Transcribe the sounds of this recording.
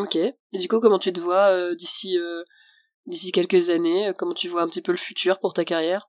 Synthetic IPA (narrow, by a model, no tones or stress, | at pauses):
okʲe | ed̪ykukɔmɑ̃t̪yt̪əvwaød̪isiø | d̪isikʲɛlkəzaneøkɔmɑ̃t̪yvwaɛ̃pət̪ipøləfyt̪ʰyːʁpuʁt̪akaʁjɛːʁ